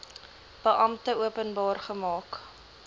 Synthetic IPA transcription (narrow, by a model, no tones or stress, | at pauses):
b̥əʔɐmtəuəpənbɑːrχəmɑːk